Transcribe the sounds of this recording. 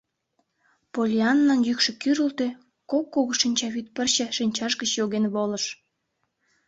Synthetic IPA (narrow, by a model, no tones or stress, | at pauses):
polʲiɑnːɑnjykʃĕkyɾəlt̪e | kokːoɣoʃinʲt͡ɕɑβyt̪̚pərt͡ɕə̆ʃinʲt͡ɕɑʃɣət͡ɕjoɣenβoləʃ